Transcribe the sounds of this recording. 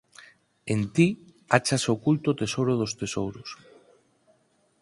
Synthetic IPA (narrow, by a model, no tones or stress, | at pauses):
ent̪i | at͡ʃasokult̪ot̪esowɾoð̞ost̪esowɾʊs